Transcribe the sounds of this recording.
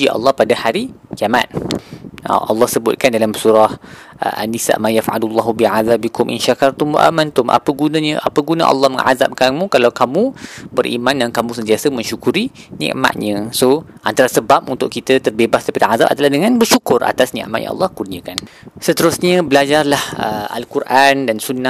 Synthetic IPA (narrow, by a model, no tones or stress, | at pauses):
iʔɑ̰lˠːɑhpadahaɾikiama̰t̪̚ | ə̰ʔɑ̰lːɑhsəbʊt̪̚kandalamsuɾah | ʔa̰nːisa̰ʔmajafʕa̰lulˤːɑɦubiʕaðabikʊmʔḭnʃakart̪umʔa̰mãnt̪ʊmʔa̰pəɡunãɲəʔa̰pəɡunã̰ʔɑ̰lːɑhməŋʕa̰za̰p̚kamũkalawkamũbəɾʔḭmãndankamũsənt̪iasəmə̃ɲʃukuɾinɛ̰̃ʔma̰ʔ̪̚ɲə̃soʔant̪aɾasəbap̚unt̪ʊʔkit̪ət̪ərbebasdaipadəʕaza̰p̚ad̪alahdəŋãnbərʃukʊrʔa̰t̪asnɛ̰̃ʔmaʔjã̰ɑ̰lːɑhkurniəkan | sət̪əɾʊsɲə̃bəlad͡ʒarlahəa̰lkurʔandansunːa